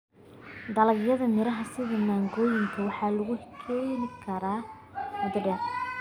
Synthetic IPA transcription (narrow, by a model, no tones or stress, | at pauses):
d̪ɐlɐɡjɐðɐmɪɾɐɦɐsɪðɐmaːŋɡɔːjɪŋkʰɐwɑħɑːlʊɣʊkʰɛːnɪkʰɐɾaː | mɐd̪ɖɛːr